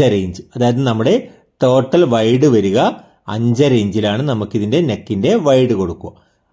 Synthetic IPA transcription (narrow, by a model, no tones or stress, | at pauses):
ɐɾejɲd͡ʑɨɐðaːjɐðnɐmːuɽe̞ | t̪o̞ːʈːɐlʋɐjɽɨʋɐɾuɣɐ | ɐ̰ɲd͡ʑɐɾeːɲd͡ʑilaːɳɨnɐmukːiðinde̞nekːinde̞ʋɐjɽɨko̞ɽukːuo̰